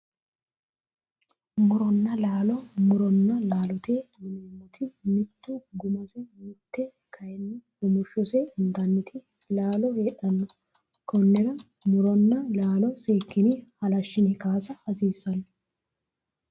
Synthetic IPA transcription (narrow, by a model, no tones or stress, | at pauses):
mʊɾɔnːɐlaːlɔmʊɾɔnːɐlaːlɔt̪eːmɪnːmːɔt̪ʰɪmɪt̪ːʊɡʊmɐsɛmɪt̪ːɛ | kʰɐjɛnːɪhʊmʊʃːɔsɛɪnt̪ɐnːɪt̪ʰɪ | laːlɔhe̞ːᶑɐnːɔ | kʰɔnːɛɾɐ | mʊɾɔnːɐlaːlɔseːkːɪnɪhɐlɐʃːɪnɪkaːsɐɐsiːsːɐnːɔ